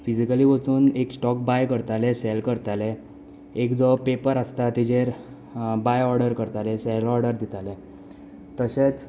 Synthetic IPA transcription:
fid͡ʑikaliːʋət͡suːneksʈɔk̚bajkəɾt̪aleselkəɾt̪ale | ekd͡zɔpepəɾəst̪at̪id͡ʑeɾ | bajɔɾɖəɾkəɾt̪aleselɔɾɖəɾd̪it̪ale | t̪əɕet͡s

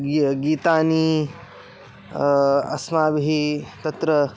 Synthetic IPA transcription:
ɡiːt̪aːniː | ɐ̰smaːbɦit̪ɐt̪ɾɐ

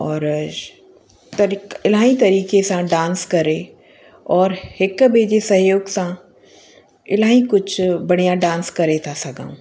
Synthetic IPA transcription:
ɔːɾ | t̪ɐiɪlaːɦĩt̪ɐɾiːkesãɖãːnskɐɾe | ɔːɾhɪkbeːd͡ʑesɐɦjoːɡsã | ɪlaːĩkʊd͡ʑʱʰbɐɽ̤ijãɖãːnskɐɾet̪ʰasɐɡʱã̰ːũː

